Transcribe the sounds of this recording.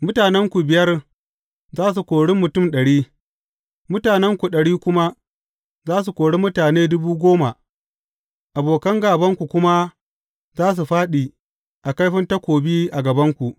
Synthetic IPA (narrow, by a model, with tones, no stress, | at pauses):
mʊ˦taː˨nɛ˦ŋkʷu˨bɪ˨jɐ˦r | zaː˦s̬u˨kʷoː˨ɽɪ˦mːʊ˨tʊ˦˨mɗɐ˨ɽiː˦ | mʊ˦taː˨nɛ˦ŋkʷu˨ɗɐ˨ɽiː˦kʷʊ˦ma˦ | zaː˦s̬u˨kʷoː˨ɽe˦mʊ˦taː˨neː˦dʊ˦buː˦ɡʷoː˦ma̰˨ | ʔa˨boː˨kɐ˦ŋɡaː˨bɐ˦ŋkʷu˨kʷʊ˦ma˦ | zaː˦s̬u˨ɸaː˦ɗiː˨ | ʔa˨ka˦jɸɪ˦nta˦kʷoː˨biː˦ʔa˨ɡɐ˨bɐ˦ŋkʷu˨ʔ